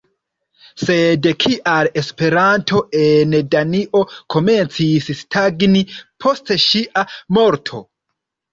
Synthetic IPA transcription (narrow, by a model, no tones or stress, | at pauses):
se̞dkʰiʔale̞spe̞ɾantʰo̞ʔendaniʔo̞kʰo̞me̞nt͡sisstʰaɡnipʰo̞steʃiʔamo̞ɾtʰo̞̰